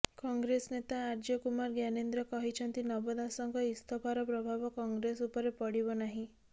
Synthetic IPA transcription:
kɔŋɡɾesnet̪aːɾd͡ʒɔkumaɾɡjanend̪ɾɔkɔɦit͡ʃʰɔnt̪inɔbɔd̪asɔŋkɔist̪ʰɔpʰaɾɔpɾɔbʱabɔkɔŋɡɾesupɔɾepɔɽibɔnaɦĩ

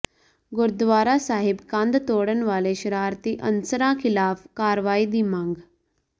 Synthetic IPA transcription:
ɡʊɾd̪ʋaːɾasaːɦibkãnd̪t̪oːɽənʋaːleɕəɾaːɾt̪iːʔə̰nsəɾãkʰɪlaːfkaːɾʋaːiːd̪imãːŋɡ

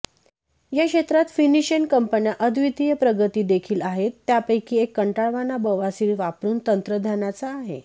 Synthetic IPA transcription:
jakɕet̪ɾat̪finiɕənkəmpənjaʔəd̪ʱʋit̪ijəpɾəɡət̪iːd̪ekʰiːlaɦet̪ːjapəjkiːekːəɳʈaɭʋanabəʋasiɾʋapɾuːnt̪ənt̪ɾəd̪ʱjanat͡saːɦḛ

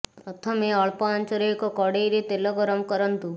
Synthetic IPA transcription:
pɾɔt̪ʰɔmeɔɭpɔant͡ʃɔɾɔekɔkɔɽejɾet̪elɔɡɔɾɔmkɔɾɔnt̪u

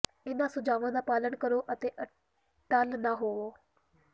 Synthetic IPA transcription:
ɪnãːsʊd͡ʒaːʋãːd̪aːpaːlənkəɾoːʔət̪eːʔə | ʈəlnãːɦoːoː

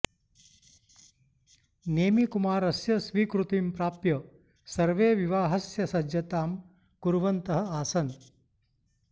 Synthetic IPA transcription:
neːmikumaːɾɐsjɐsʋiːkɾut̪impɾaːpjɐ | sɐɾʋeːʋiʋaːɦɐsjɐsɐd͡ʒjɐt̪aːm | kuɾʋɐnt̪ɐɦɐ̆aːsɐn

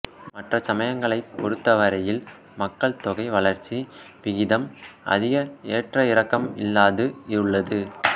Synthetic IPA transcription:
mɐʈrɐsɐmɐjɐŋɡɐɭɐɪpːɔɾɯt̪ːɐʋɐɾɐjɪl | mɐkːɐɭt̪ɔɣɐɪʋɐɭɐɾt͡ʃːiʋɪɣɪðɐmʔɐ̰ðɪɣɐeːʈrɐɪɾɐkːɐmɪ̰lːaːðɯɪɾɯɭːɐðɯ

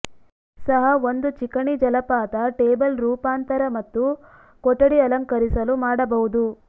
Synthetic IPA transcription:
sɐɦɐond̪ut͡ʃikɐɳid͡ʒɐlɐpaːt̪ɐʈeːbɐlɾuːpaːnt̪ɐɾɐmɐt̪ːu | kɔʈːɐɽiɐlɐŋkɐɾisɐlumaːɽɐbɐɦud̪u

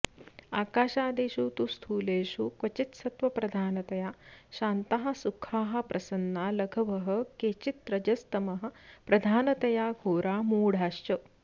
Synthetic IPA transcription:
aːkaːʃaːd̪eːʃuːt̪ust̪ʰuːleːʃuːkʋɐt͡ʃit̪sɐt̪ʋɐpɾɐd̪ʱaːnɐt̪ɐjaːɕaːnt̪aɦɐ̆sukʰaːɦɐ̆pɾʔɐsɐnːaːlɐɡʱɐʋɐɦɐ̆keːt͡ʃit̪ɾɐd͡ʒɐst̪ɐmɐɦɐ̆pɾɐd̪ʱaːnɐt̪ɐjaːɡʱoːɾʔaːmuːɽ̤ʱaːʃt͡ʃɐ

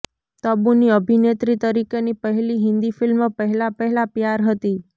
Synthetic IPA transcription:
t̪əbuniəbʱinet̪ɾit̪əɾikenipəɦɛliɦɪ̃nd̪ifɪlməpəɦɛlapəɦɛlapjaɾɦət̪i

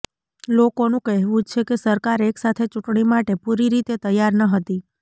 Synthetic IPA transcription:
lokonũkɛɦʋũt͡ʃʰekesəɾkaɾeksat̪ʰet͡ʃuʈɳimaʈepuɾiɾit̪et̪əjːaɾnəɦət̪i

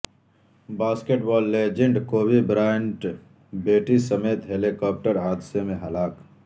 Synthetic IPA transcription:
baːskeʈbɔːlːeːd͡ʒẽɳɖkoːbibɾaːɳʈ | beːʈisɐmeːt̪ɦelikɔːp̚ʈəɾaːd̪semẽɦɐlaːk

